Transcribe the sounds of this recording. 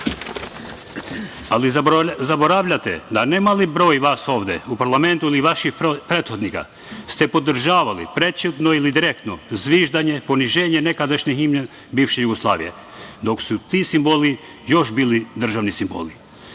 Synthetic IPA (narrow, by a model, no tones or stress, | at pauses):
alizaboɾaʋʎat̪ɛ̰d̪anemalibɾoːjʋasoːʋd̪ɛupaɾlˠament̪uiliʋaʃixpɾet̪xod̪nika̰ | st̪ɛpod̪r̩ʒaːʋalḭpɾet͡ʃut̪noilid̪iɾek̚t̪nozʋiʒd̪aɲeponiʒeːɲenekad̪aʃɲɛɦimɲɛ | bifʃɛjuɡoslˠa̰ːʋḭjḛ | d̪oksut̪isimboli | joʃbilid̪r̩ʒaʋnisimbo̰li